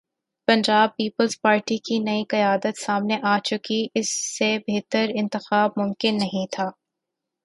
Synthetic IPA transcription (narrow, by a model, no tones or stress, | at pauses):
pɐ̃ɲd͡ʒaːb̚piːpəlzpaːɾʈikinɐikɐjaːd̪ət̪saːmneʔaːt͡ʃʊkiʔɪsːebeɦt̪əɾɪ̃nt̪ɪxaːb̚mʊ̃mkɪnːɐɦĩt̪ʰaː